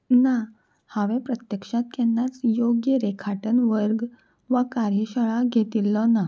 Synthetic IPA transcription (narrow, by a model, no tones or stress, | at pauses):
na | haʋẽpɾət̪jəkʂat̪̚kɛnːat͡sjoɡjəɾekʰaʈənʋəɾɡ | ʋakaɾjəɕəɭaɡʱet̪ilːɔna